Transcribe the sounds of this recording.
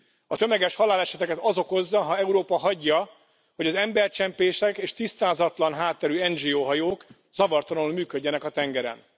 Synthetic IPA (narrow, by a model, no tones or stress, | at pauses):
ɒt̪ø̞mɛɡɛʃhɒlaːlɛʃɛt̪ɛkɛt̪ɒzo̞ko̞zːɒɦɒɛuɾoːpɒɦɒɟːɒ | ho̞ɟɒzɛmbɛrt͡ʃɛmpeːʃɛkeːʃt̪ist̪aːzɒt̪lɒnɦaːt̪ːɛɾyɛnd͡ʒiːoːɦɒjoːk | z̥ɒvɒrt̪ɒnolmyːkø̞ɟːɛnɛkɒt̪ɛŋɡɛɾɛ̰n